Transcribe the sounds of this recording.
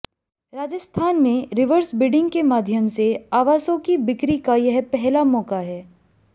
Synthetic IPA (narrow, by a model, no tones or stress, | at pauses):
ɾaːd͡ʒəst̪ʰaːnmẽɾɪʋəɾsbɪɖɪ̃ŋɡ̚kemaːd̪ʱjəmseaːʋaːsõkibɪkɾikajɐɦpɛɦlamɔːkaɦɛː